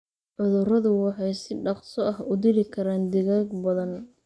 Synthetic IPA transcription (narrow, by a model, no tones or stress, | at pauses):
ʕʊðʊrɐðʊwɑħɑjsɪɖɑqsɔʔɐɦʊd̪ɪlɪkʰɐɾaːnd̪ɪɣaːɡbɐðɐn